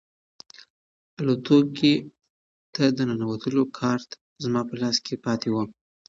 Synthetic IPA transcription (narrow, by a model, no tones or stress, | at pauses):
alot̪oke | t̪ad̪ənanawat̪ʰəlokʰɑɾt̪ | zmɑpəlɑskʰepɑt̪ewəm